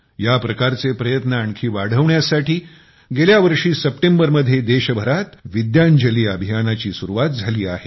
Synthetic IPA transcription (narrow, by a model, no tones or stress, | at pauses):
japɾəkaɾt͡sepɾəjət̪nəːɳkʰiːʋaɽ̤əʋɳjasaʈiː | ɡeljaʋəɾʂiːsəpʈembəɾməd̪ʱjed̪eɕəbʱəɾat̪ʋid̪jaɲd͡ʑəliːəbʱijanat͡ɕiːsuɾuʋat̪̚d͡zʱaliːaɦe